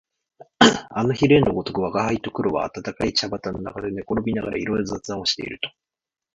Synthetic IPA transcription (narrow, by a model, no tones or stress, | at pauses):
ano̞çiɾẽ̞nːoɡo̞t̪o̞kɯ̟βaɡahait̪o̞kɯ̟ɾo̞βa̰ːt̪at̪akait͡ɕabat̪anːo̞na̰kad̪ene̞ko̞ɾo̞bʲinaɡaɾʔa̰iɾo̞jozɨat͡sɨão̞ɕi̥t̪e̞ḭɾɯ̟t̪o̞̥